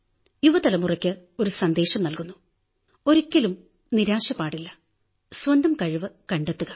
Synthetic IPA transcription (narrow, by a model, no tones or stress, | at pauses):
juʋɐt̪ɐlɐmurɐkʲːɨ | o̞ɾusɐnd̪e̞ːʂɐmnɐlkunːu | o̞ɾukʲːɐlum | niɾaːɕɐpːaːɽilːɐ | swɐnd̪ʱɐmkɐɻɨʋɨkɐɳɖet̪ːuɣɐ